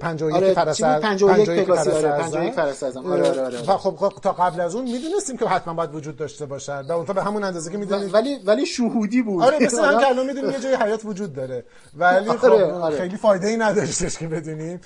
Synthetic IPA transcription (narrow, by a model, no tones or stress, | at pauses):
pʰænd͡ʒɒːojefæɾæsiæpʰænd͡ʒɒoæjed͡ʒɔjæænoojekfæɾassɛzæmɾɾɾevæxobt̪ʰɒːɣæblæzunmiːd̪uːnest̪iːmcʰehæt̪ʰmænbɔːjæd̪vod͡ʒuːd̪̚ːɒːʃt̪e̞bɒːʃænd̪væont̪ʰɒːbehɦæmunænd̪ɒːzekʰemiːd̪unnivælivæliʃuhud̪ibuːɒɾebeseakʰeælɒnmid̪unimjed͡ʒɒːjeɦæjɒːt̪vod͡ʒuːd̪̚ːɒːɾe̞ | vælixoɾexejliːfɒːjd̪eiːnæd̪ɒʃt̪e̞ʃkʰebe̞d̪uːnim